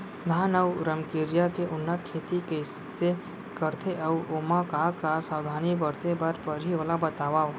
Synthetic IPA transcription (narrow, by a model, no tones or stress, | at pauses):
d̪ʱaːnəwɾəmkɪɾjakeʔʊnːət̪kʰeːt̪ikə | se | kəɾt̪ʰeʔəwoːmakakasaːwd̪ʱaːnibəɾt̪ebaɾpəɾɦiʋəlabɐt̪aːʋaː